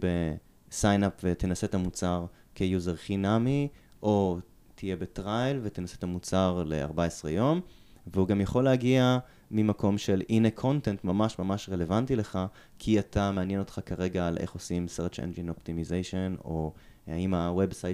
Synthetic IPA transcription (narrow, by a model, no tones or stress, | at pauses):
be | sajnapvet̪enase̞t̪amut͡saʁ | kejuzeʁχinamiʔo̞ | t̪ʰije̞bet̪ʁajlvet̪enaset̪amut͡saʁle̞̰a̰ʁbaesʁejo̞m | veuɡamjaχo̞leaɡia | mimako̞mʃelinekʰo̞ntentmamaʃmamaʃʁele̞vantile̞χa | kʰiat̪ʰameanjeno̞t̪χakaʁe̞ɡaːlʔḛχosimseʁt͡ʃḛnd͡ʒinoptimizejʃonoa̰imawe̞bsaj